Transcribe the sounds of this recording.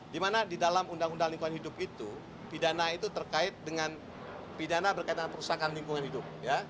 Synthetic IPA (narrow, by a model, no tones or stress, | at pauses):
dimanadidalamundaŋundaŋliŋkuanhidʊpit̪u | pidanait̪ut̪ərkaɪt̪̚dəŋan | pidanabərkait̪̚dəŋanpəɾusakanlimpuŋanɦidʊp̚ja